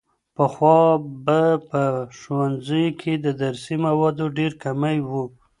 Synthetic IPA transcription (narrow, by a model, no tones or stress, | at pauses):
pəxwɑbapəʃwanzəjokʰed̪əd̪aɾsimawɑd̪oɖeɾkamajwu